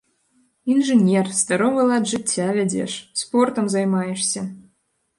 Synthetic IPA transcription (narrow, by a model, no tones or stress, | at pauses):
inʒenʲerst̪ɑɾoβɤlˠɑt̪ʒɘ̆t͡sʲːæβʲɘ̆dʲḛʃsport̪ɤ̆mzɑjmɑjeʃsʲə